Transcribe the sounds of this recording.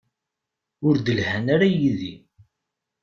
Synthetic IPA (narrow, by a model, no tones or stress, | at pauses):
ʊɾd̪əlhænaɾajiði